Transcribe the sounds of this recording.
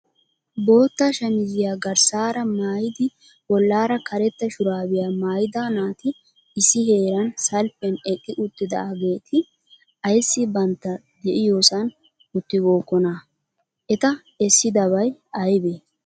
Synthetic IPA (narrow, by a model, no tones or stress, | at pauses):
bo̞ːt̪ːaːʃɐmɪzɪjaːɡɐɾsaːɾɐmaːjɪd̪ɪ | wɔlːaːɾɐkɐɾɛt̪ːɐʃʊɾaːbɪjaːmaːjɪd̪aːnaːt̪ɪ | ɪsɪhe̞ːɾɐnsɐlpːɛnɛkʼːɪʔʊt̪ːɪd̪ɐ̰ʔɐɡe̞ːt̪ʰɪ | ɐjsːɪbɐnt̪ːɐ | d̪ɛʔɪjoːsɐn | ʊt̪ːɪɡo̞ːkːɔna | ʔɛt̪ɐ | ɛsːɪd̪ɐβɐjɐjbe